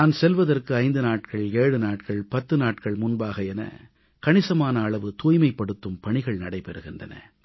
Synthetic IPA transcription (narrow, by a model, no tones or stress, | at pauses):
nnaːnsɛlʋɐðɐrkɯɐɪnd̪ɯnaːʈkɐɭeːɻɯnaːʈkɐɭpɐt̪ːɯnaːʈkɐɭmʊnbaːɣɐɛnɐ̰ | kɐɳɪsɐmaːnɐːɭɐʋɯt̪uːjmɐɪpːɐɽɯt̪ːɯmpɐɳɪɣɐɭnɐɽɐɪpɛɾɯɣɪndrɐ̰nɐ̰